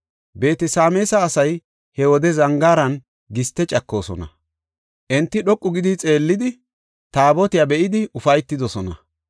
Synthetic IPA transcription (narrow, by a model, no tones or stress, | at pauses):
be̞ːt̪ɛsaːmeːsɐːsɐj | hɛwɔd̪ɛzɐŋɡaːɾɐn | ɡɪst̪ːɛt͡ʃʼɐkːo̞ːsɔ̰nɐ̰ | ʔɛnt̪ːɪɗɔkʼːʊɡɪd̪ɪt͡sʼe̞ːlːɪd̪ɪ | t̪aːbɔt̪ɪjabɛʔɪd̪ɪʊfɐjt̪ːɪd̪ɔsɔnɐ̰